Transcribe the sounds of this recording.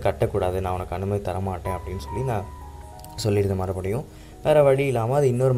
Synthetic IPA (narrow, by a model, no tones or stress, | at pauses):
kɐʈːɐkːuːɽaːðɯnãːʊnɐkːɐnːɯmɐt̪ɐɾɐmaːʈːẽːɐpːɐɽɪnːɯsɔlːinãː | sɔlːɪɾɯnd̪ɐmɐːɾɐpɐɽɐjʊ̃ | ʋeːɾɐʋɐɽiɪlːaːmaːɐðɯɪnːɔɾɯm